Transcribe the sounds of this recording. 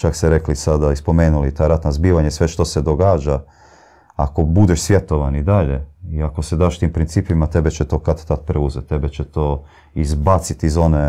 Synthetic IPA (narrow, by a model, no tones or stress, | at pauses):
t͡ʃakseɾeklisad̪aispo̞meːnulit̪aːɾat̪nazbiːʋaɲesʋeʃt̪o̞se̞d̪o̞ɡaːd͡ʒa | a̰ko̞bud̪eʃsʋje̞t̪oʋanid̪aʎeiako̞sed̪aːʃt̪iːmpɾint̪siːpimat̪ebet͡ʃet̪o̞ːkat̪t̪at̪̚pɾeuzet̪ːebet͡ɕet̪oː | izbat̪sit̪izo̞ne